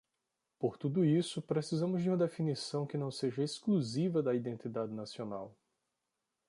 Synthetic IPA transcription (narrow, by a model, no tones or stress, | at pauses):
poɾt̪ud̪ʊisʊpɾesizɐ̃mʊzd͡ʒɪũmɐd̪efinisɐ̃w̃kɪnɐ̃w̃seʒɐeskluzivɐd̪ɐid̪ẽnt̪id̪ad͡ʒ̪ɪnasionaw